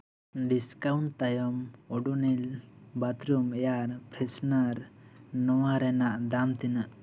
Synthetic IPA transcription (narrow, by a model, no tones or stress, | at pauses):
ɖiskawuɳʈt̪ajɔmɔɖunilbat̪ɾumɛjaɾpɾɛsnaɾnɔwaɾɛnaʔd̪amt̪inaʔ